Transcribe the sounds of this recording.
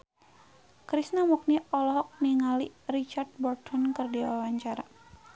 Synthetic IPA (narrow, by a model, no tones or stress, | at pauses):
kɾisnamuk̚niɔlɔɦɔk̚niŋalirit͡ʃard̪̚bɔrt̪ʰɔnkərdiwawaɲt͡ʃaɾa